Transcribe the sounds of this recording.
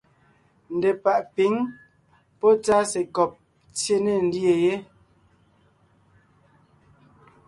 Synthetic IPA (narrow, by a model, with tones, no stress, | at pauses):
n̩˨de˨pa˨ʔpi˨˦ŋ | pɔ˦t͡sa˦se˨kɔ˨p̚ | t͡sje˦ne˦˨n̩˦dje˨je˦